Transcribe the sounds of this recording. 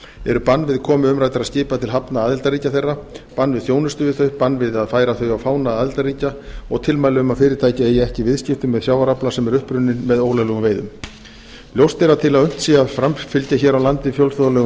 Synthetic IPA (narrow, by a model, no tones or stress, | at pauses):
ɛɾʏpanvɪðkʰɔːmʏʏmɾajt̪aɾaðscɪːpat̪ʰɪlɦapnaaːðɪlt̪aɾiːcaθejrːapanːvɪðθjoːwnʏst̪ʏːðɪθœɥpanːvɪðaðfaːjɾaθœɥawfaːwnaaːðɪlt̪ariːcaɔɣt̪ʰɪlmaːjlɪʏmaðfɪːɾɪɾt̪ʰaːjcaeːjɪɛhcɪvɪðscɪft̪ʏmːɛðsjawvaɾaplasɛmɛɾʏhpɾʏnːɪnmɛðoːwlalɛɣʏmveːjðʏm | ljowst̪ɪɾaðt̪ʰɪlaðʏn̥t̪siːafɾamfɪlcaçɛːɾawlant̪ɪfjowlsθoðalɛɣ